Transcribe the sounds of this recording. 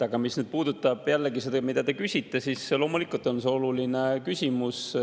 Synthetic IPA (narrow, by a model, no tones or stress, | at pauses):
ɑɡɑmisnyd̪̥̚puːd̪ut̪ːˑɑb̥jælːeɡise̞d̪̥ɑmid̪ɑt̪e̞kysʲit̪ːe̞sislo̞ːmulikult̪ˑo̞nse̞o̞lulinekysʲimus